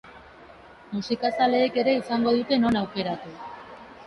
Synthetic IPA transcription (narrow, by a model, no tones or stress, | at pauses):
musikasale̞ːke̞ɾe̞isaŋɡo̞ðut̪e̞no̞nawke̞ɾat̪u